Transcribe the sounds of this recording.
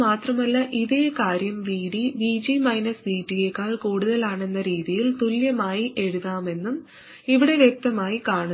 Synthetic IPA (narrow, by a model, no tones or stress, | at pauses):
maːt̪rɐmɐlːɐʔiðe̞ːkaːɾjɐmʋiːɽiʋiːd͡ʑimɐjnɐsbiːtːiekːaːɭkuːɽuðɐlaːɳe̞nːɐɾiːðijilt̪uljɐmaːjiʔe̞ɻuðaːme̞nːum | iʋiɽe̞ʋjek̚t̪ɐmaːjikaːɳ